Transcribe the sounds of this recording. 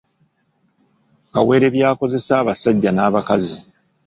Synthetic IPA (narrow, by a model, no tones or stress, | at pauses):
kawe̞ːɾe̞βjaːko̞ze̞saːβasaɟːanaːβakazi